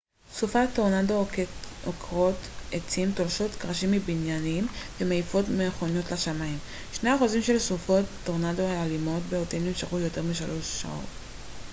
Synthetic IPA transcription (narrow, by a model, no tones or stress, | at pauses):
sufat̪ːoʁnadookʁo̞tet͡simt̪olʃo̞t̪kʁaʃimːibinjanimvemeifo̞tmeχonjo̞tlaʃamaim | ʃne̞aaχuzimʃe̞lsufo̞tːoʁnadoaalimo̞tbeoteimnimʃaχujo̞te̞ʁmiʃalo̞ʃːa̰o̞̰t